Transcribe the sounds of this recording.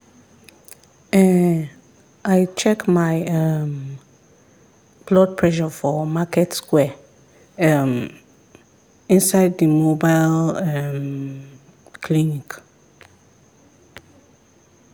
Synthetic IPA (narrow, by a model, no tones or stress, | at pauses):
ɛ̃n | aɪt͡ʃʰɛkmaɪɛm | b̥lɔd̚pʰɹɛʃɔfɔmakʰɛtskwɛ | ɛm | ĩnsaɪd̚imobaɪlɛm | kʰlĩnik